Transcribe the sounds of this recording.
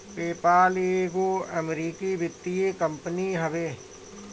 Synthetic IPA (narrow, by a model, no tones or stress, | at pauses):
peːpaːleːɡoːɐmɾiːkibɪt̪ːijekə̃mpəniɦɐʋeː